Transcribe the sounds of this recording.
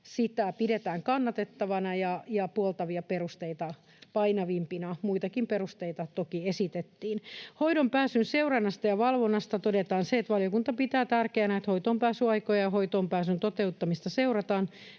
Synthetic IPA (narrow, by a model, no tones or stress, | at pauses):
sit̪æpiɾet̪æːŋkɑnːɑt̪et̪ːɑʋɑnɑjɑjɑpuolt̪ɑʋiɑperust̪eit̪ɑ | pɑinɑʋimpinɑmuit̪ɑkimperust̪eit̪ɑt̪okiesit̪et̪ːiːnhoiɾompæːsynseurɑnːɑst̪ɑjɑʋɑlʋonːɑst̪ɑt̪odet̪ɑːnseet̪ʋɑljokunt̪ɑpit̪æːt̪ærkeænæet̪hoit̪oːmpæːsyɑikojɑjɑhoit̪oːmpæːsynt̪ot̪eut̪ːɑmist̪ɑseurɑt̪ɑːn